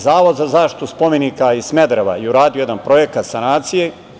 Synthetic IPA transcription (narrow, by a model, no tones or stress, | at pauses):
zaːʋo̞d̪zazaːʃt̪i̥t̪uspo̞me̞nikaismed̪ɾeʋa̰jeuɾaːd̪ijo̞jed̪anpɾo̞jekat̪sanaːt̪sije